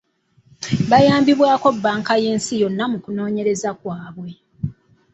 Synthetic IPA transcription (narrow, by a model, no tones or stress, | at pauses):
βajaːmbiβwaːko̞bːaːŋkaje̞ːnsijo̞nːamukuno̞ːɲe̞ɾe̞zakwaːβwe̞